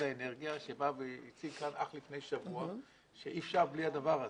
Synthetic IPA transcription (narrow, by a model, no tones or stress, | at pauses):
aeneʁɡijaʃebaveit͡silkanaχlifne̞jʃavua | ʃeʔifʃaʁbliad̪avaʁa